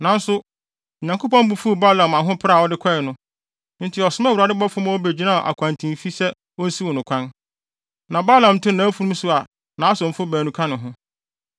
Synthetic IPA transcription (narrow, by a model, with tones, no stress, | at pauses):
nã˨n̩˦sʊ˦˨ | ɲã˨kʰo˦pɔ̃˦m˦bu˦fu˦˨ba˦lã˨ma˨ɦʊ̃˦pʰa˦˨ɔ˦dɪ˦kʷʰɛ˦ɛ˨nʊ̃˦ | n̩˦tʰɪ˨ɔ˨sʊ˦mã˦wu˨ɾa˨dɪ˦bɔ˦fʊ̃˦m˦ɔ˦be˨d͡ʑi˨˦nã˦˨ʔa̰˨kʰʷã˨n˨tʰĩ˨m˨fi˦sɛ˦ | ɔ˦n̩˦si˦wɔ˨nʊ̃˨kʰʷã˦n | nã˨ba˦lã˨m˨tʰʊ̃˦nã˨˦fu˦ɾũ˦msʊ˦a˨ | nã˨˦a˦sʊ̃˨m̩˨fʊ˦bæː˨nũ˦kʰã˦nʊ̃˨ɦʊ̃˦